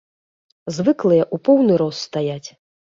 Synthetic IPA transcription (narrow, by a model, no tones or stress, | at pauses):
zvɨklˠɨjɐʔupɔwnɨɾɔsːt̪ajat͡sʲ